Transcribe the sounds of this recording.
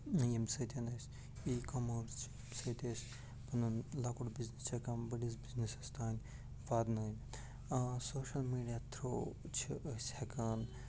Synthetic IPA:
jemsɐt̪ʲʰenɐsʲ | iːkɐmɐːɾst͡ʃʰ | msɐt̪ʲesʲ | pɐnɐnlɐkuɽbiznist͡ʃʰekaːnbɐɽis̬biznisɐst̪ʰaːnʲ | ʋaːd̪nɐːnʲ | soːʃɐlmiːɖijat̪ʰɾoː | t͡ʃʰiʔɐsʲhekaːn

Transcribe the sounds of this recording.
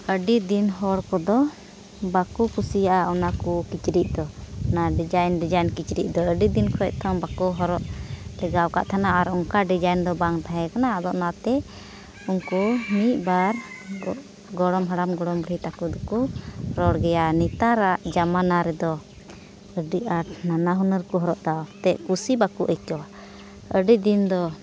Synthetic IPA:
əɖid̪inɦɔɽkɔd̪ɔ | bakukʰusijaʔaɔnakukit͡ʃɾiʔ̚d̪ɔnaɖid͡ʒajnɖid͡ʒajnkit͡ʃɾiʔ̚ˀd̪ɔəɖid̪inkʰɔɛʔ̚t̪ʰɔŋbakuɦɔɾɔʔlɛɡawka̰ʔt̪ʰanaʔaɾɔŋkaɖid͡ʒajnd̪ɔbaŋt̪aɦɛ̃kanad̪ɔʔnat̪ɛ | uŋkumit̪̚baɾ | ɡɔɽɔmɦəɽamɡɔɽɔmbɽit̪akud̪ɔkuɾɔɽɡɛjanit̪aɾaʔd͡ʒamanaɾɛd̪ɔ | əɖiaɾnanaɦunəɾkɔɦɔɾɔʔd̪at̪ɛʔkusibakuʔəjt͡ʃɔwa | əɖid̪ind̪ɔ

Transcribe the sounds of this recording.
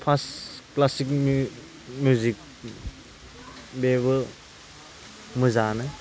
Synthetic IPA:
pʰasklasik̚m | mjuzik̚ | beβɯ | mɯzanɯ

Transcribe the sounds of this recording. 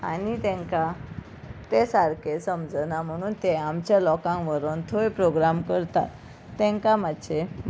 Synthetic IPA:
a̰nit̪ẽŋka | t̪esaɾkʰesəmd͡znam̤əɽ̃uːnt̪eamt͡ɕjalɔkãŋʋəɾont̪ʰoepɾoɡɾamkəɾt̪a̰t̪ː | ɛ̃ŋkamad̪ɕe

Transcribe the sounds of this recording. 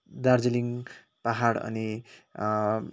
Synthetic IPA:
d̪aɾd͡ziliŋ | paɦaɽʌ̰ni

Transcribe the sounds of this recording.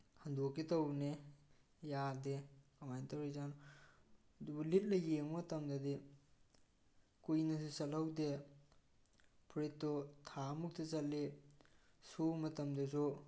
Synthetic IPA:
hɐndokːitɐwne | jadekamajntawɾijzan | dubulit̚lɐjeŋmɐtɐmdɐdi | kujnɐs̬usɐlɐwde | pʰɾetːɔtʰamuk̚tʰɐt͡ʃɐle | sumɐtɐmdɐsu

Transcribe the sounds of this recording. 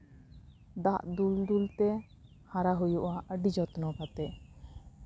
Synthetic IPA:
d̪aʔd̪uld̪ult̪ɛ | haɾaɦujuʔaɖid͡ʒɔt̪nɔkat̪ɛ

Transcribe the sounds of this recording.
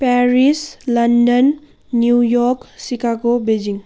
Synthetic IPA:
pɛɾislɐndənː | jujɔksikaɡobed͡ʒiŋ

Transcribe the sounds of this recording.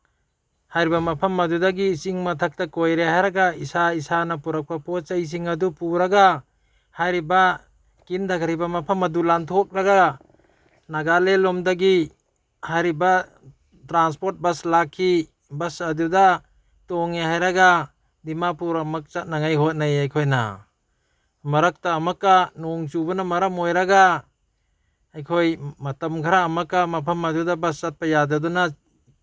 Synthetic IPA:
hajɾibamɐpʰɐmɐdudaɡiːsiŋmatʰak̚takojɾeɦajɾaɡaisaisanapuɾak̚papot͡ʃajs̬iŋɐdupuɾaɡa | hajɾiba | kindakʰaɾibamɐpʰɐmɐdulantʰok̚ɾaɡa | naɡalelɔmdaɡi | hajɾiba | tɾanspoɾt̚bɐslakʰːi | bɐsaduda | toŋeɦajɾaɡa | dimapuɾamɐk̚t͡ʃat̚naŋajɦot̚najajkʰojna̰ | mɐɾɐk̚taːmɐkːanoŋt͡ʃubɐnamɐɾɐmojɾaɡa | jkʰojmɐtɐmkʰaɾaːmɐkːamɐpʰɐmadudabɐst͡ʃat̚pajadaduna

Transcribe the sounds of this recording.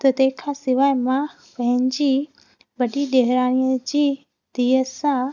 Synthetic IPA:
t̪ət̪ekʰasiʋajmã | pəĩɲd͡ʑi | bəɖid̪eɦɾanijət͡ɕi | d̪̥ijəsa

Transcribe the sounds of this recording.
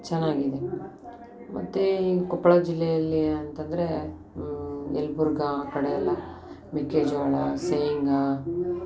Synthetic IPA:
t͡ʃɛnːaːɡid̪e | mʔɐ̰t̪ːekɔpːɐɭɐd͡ʒilːɛjɐlːiɐnt̪ɐnd̪ɐɾe | ɛlːbuɾɡɐkɐɽeɛlːɐ | mikːeːd͡ʒaːɭɐsejŋɡɐ

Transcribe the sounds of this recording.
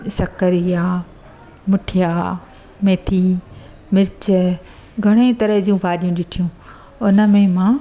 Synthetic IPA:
sɐkəɾijaː | mʊʈʰijaː | meːt̪ʰi | mɪɾt͡ɕə | ɡʱɐɽ̃et̪ɐɾəɦd͡ʑũbʱaːɗijũɗɪʈʰijũ | ʊnə̆mẽmãː

